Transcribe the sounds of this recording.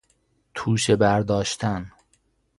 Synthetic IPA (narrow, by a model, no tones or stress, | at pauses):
t̪ʰuːʃebæɾd̪ɒːʃt̪ʰæn